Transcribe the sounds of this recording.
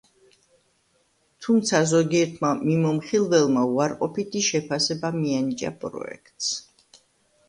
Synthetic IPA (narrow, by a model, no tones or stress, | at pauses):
t̪ʰumt̪sʰazɔɡiɛɾt̪ʰmamimɔmχilˠvɛlˠmauaɾqʼɔpit̪ʰiʃɛpʰasɛbamianit͡ʃʼa̰pʼɾɔ̰ɛ̰kʰt̪ʼs